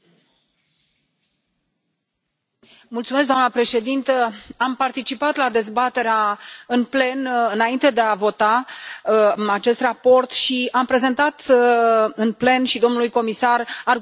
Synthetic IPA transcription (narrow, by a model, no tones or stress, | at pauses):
mult̪sumes̬d̪oamnəpɾe̞ʃe̞d̪int̪əampart̪it͡ʃipat̪lad̪e̞zbat̪e̞ɾeaɨnple̞nɨnaint̪e̞d̪e̞avo̞t̪a | at͡ʃe̞st̪rapo̞rt̪ʃiampɾe̞ze̞nt̪at̪ | ɨnple̞nʃid̪o̞mnulujko̞misarar